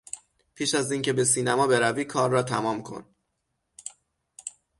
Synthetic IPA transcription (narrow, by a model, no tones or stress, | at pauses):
pʰiːʃæziːncʰe̞be̞s̬iːnæmɒːbe̞ɾæviːkʰɒːɾːɒːt̪ʰæmɒːmkʰo̞̰n